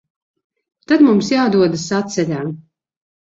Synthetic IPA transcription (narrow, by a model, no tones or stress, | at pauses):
t̪ad̪mumsjaːd̪uɔd̪asat̪sɛlʲaːm